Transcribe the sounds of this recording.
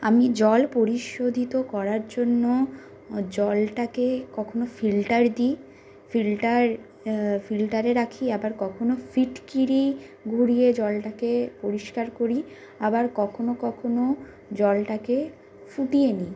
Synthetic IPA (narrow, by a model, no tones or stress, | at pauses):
amid͡ʑɔlpoɾiʃod̪ʱit̪okɔɾaɾd͡ʑonːo | d͡ʑɔlʈakekɔkʰonofilʈaɾd̪i | filʈaɾ | filʈaɾeɾakʰiabaɾkɔkʰonofiʈkiɾiɡʱuɾijed͡ʑɔlʈakepoɾiʃkaɾkoɾi | abaɾkɔkʰonokɔkʰono | d͡ʑɔlʈake | fuʈieni